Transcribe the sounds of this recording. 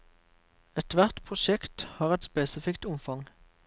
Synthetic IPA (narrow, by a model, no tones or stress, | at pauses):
ɛt̪ʋæʁt̪pʰʁʊʃɛkt̪hɑːʁɛt̪speːsɪfɪkt̪ʊmfɑŋ